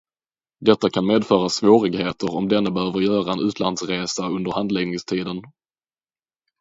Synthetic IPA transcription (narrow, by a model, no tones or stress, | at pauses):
d̪ɛt̪ːakʰanmeːd̪fœːɾasvoːɾɪɡheːt̪əɾɔmd̪ɛnːabɛhøːvəɾjœːɾaɛnʉ̟ːt̪ʰland̪sɾeːsaɵnd̪əɾhand̪lɛɡnɪŋst̪ʰiːd̪ən